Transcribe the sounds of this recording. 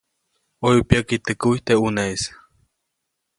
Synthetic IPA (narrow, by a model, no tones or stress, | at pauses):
ojupiakit̪ɨkuit̪euneis